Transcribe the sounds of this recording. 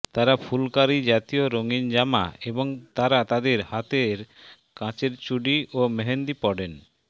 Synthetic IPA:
t̪aɾapʰulkaɾid͡ʑat̪ijoɾoŋind͡ʑama̰ebɔŋt̪aɾat̪ad̪eɾhat̪eɾ | kãt͡ɕeɾt͡ɕuɖiomɛɦend̪ipɔɖen

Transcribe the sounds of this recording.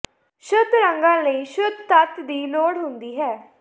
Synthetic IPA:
ʃʊd̪ɾəŋɡãːləiːʃʊd̪̚t̪ət̪d̪iːloːɽɦʊnd̪iːɦɛː

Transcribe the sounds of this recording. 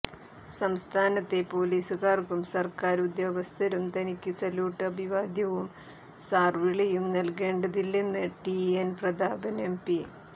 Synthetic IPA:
sɐmst̪ʰaːnɐt̪ːe̞po̞ːliːsukaːrkumsɐrkaːɾud̪jo̞ːɡɐst̪ʰɐɾumt̪ɐnikʲːɨsɐljuːʈːɐbʱiʋaːd̪jɐʋum | saːrʋiɭɐjumnɐlke̞ːɳɖɐðilːenːɨʈienprɐd̪ʱaːbɐnempi

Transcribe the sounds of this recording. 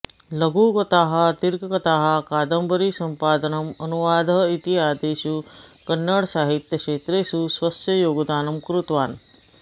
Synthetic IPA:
ləɡukɐt̪aːɦɐ̆t̪iɾɡkɐt̪aːɦɐkaːd̪əmbəɾisɐmpaːd̪ənɐmɐnuʋaːd̪ʱɐit̪iaːd̪eːʃukɐnːəɽsaːɦit̪jəkʂeːt̪ɾeːsusʋɐsjɐjoːɡd̪aːnɐmkɾut̪ʋaːn

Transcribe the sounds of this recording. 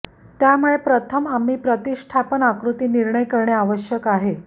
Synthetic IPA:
t̪jamuɭepɾət̪ʰəmam̤iːpɾət̪iʂʈʰapənakɾut̪iːniɾɳəjkəɾɳeaʋəɕjəkaɦe

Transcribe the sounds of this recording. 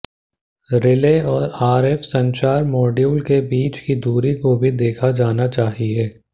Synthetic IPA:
ɾɪleːɔːɾaːɾɛːfsɐ̃ɲt͡ʃaːɾmɔːɖjuːlkebiːt͡ʃkid̪uːɾikobʱid̪eːkʰad͡ʒaːnat͡ʃaːɦieː

